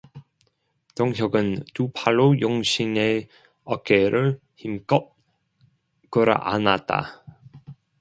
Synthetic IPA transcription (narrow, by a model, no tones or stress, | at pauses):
tʌŋɦjʌɡɯntupʰaɭːojoŋɕʰine | ʌk͈eɾʔɯɭ | çimkʌt̚ | k͈ɯɾa̰ʔa̰nat̚t͈a̰